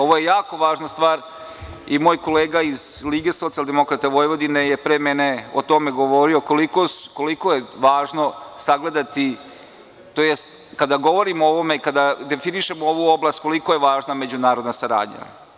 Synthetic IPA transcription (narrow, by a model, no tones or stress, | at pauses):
o̞ʋo̞jejaːko̞ʋaːʒnast̪ʋaːɾ | imo̞ːjkoleːɡaizliːɡe̞so̞t̪iald̪e̞mo̞kɾat̪aʋojʋo̞d̪inejepɾeːmene̞ot̪o̞meɡoʋo̞ɾio̞kolikoskolikojeʋaːʒno̞saɡle̞d̪at̪i | t̪oːjest̪ | kad̪aɡo̞ʋo̞ɾimoʋo̞me̞ikad̪ad̪efiniʃemoʋuoblˠast̪̚ko̞liko̞jeʋaːʒname̞d͡ʑunaːɾod̪nasaɾa̰ːd̪ɲa̰